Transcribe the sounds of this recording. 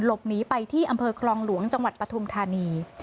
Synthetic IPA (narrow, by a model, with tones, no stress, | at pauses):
nlo˨˩p̚niː˦˥pa˧jt̪ʰiː˥˩ʔa˧mpʰɤː˧kʰlɔː˧ŋlu˨˩˦əŋt͡ɕa˧ŋwa˨˩t̪̚pɾa˧t̪ʰu˧mt̪ʰaː˧niː˧